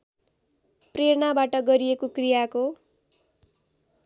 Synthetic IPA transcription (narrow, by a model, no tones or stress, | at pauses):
preɾɳabaʈʌɡʌɾiekokrijako